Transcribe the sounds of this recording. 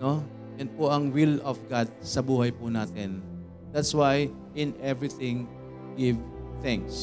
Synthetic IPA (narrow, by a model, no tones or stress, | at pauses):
no | ʔɛnd̪̚poʔɐŋwɪlɔfɡad̪̚sɐbuːɦɐjpʊnaːt̪ɪn | d̪̥at̪swaj | ʔɪ̃nɛvɹiθɪ̃ŋ | ɡɪvθãŋks